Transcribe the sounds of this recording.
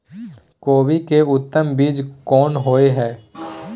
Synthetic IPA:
koːʋikeʊt̪ːəmbiːd͡ʒkɔːnɦoːeɦɛː

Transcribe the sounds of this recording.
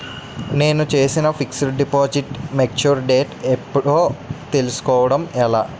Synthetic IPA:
ne̞ːnut͡ʃe̞ːsinɐfʰiksɐɾɖipoːd͡ʒiʈmek̚t͡ʃuɾɖeːʈepːuɽoːt̪elisu̥kɔːʋɐɽɐmɛlaː

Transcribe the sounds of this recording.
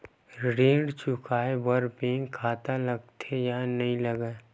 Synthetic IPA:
ɾẽːɖt͡ʃʊkʰaːebəɾpẽːŋɡkʰaːt̪alɐɡt̪ʰejanɐɦĩlɐɡaː

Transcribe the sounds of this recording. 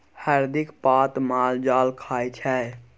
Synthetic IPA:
həɾd̪ɪkpaːt̪maːld͡ʒaːlkʰaːit͡ʃʰɛː

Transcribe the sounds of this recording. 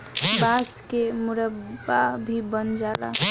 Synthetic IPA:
baskemʊɾəabʱibənd͡ʒaːla̰

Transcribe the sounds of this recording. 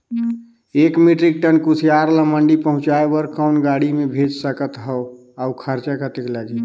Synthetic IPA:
ekmiʈɾik̚ʈənkusʰijaɾləməɳɖipəɦũt͡ʃaebəɾkəʊnɡaɽimebʱed͡ʒsəkət̪ɦəw | aukʰəɾt͡ʃakət̪eklad͡ʒi

